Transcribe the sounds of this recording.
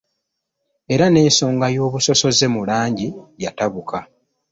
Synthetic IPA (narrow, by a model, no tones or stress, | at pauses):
e̞ɾane̞ːso̞ːŋɡajo̞ːβuso̞so̞ze̞mulaːɲɟijataβuka